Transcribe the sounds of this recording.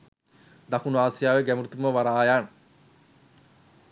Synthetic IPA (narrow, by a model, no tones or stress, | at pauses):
d̪akunuaːsjaːʋeɡæmuɾut̪uməʋaɾaːjan